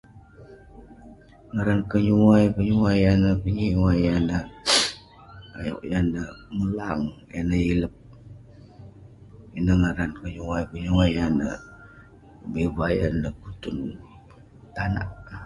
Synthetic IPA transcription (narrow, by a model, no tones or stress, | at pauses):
ŋaɾankəɲuwajkəɲuwajanəkəɲiwajanə | a̰jo̰ʔjanəməlaŋjanəiləp̚ | inəŋaɾankəɲuwajkəɲuwajanə̰ | bebaja̰nəkut̪ʊn | t̪ana̰ʔ